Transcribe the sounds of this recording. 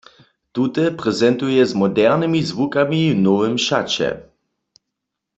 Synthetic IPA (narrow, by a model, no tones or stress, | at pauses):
t̪ut̪ɛpʁɛzɛnt̪ujɛzmɔdɛʁnɪmizvukaminɔvɛmʃa̰t͡ɕɛ̰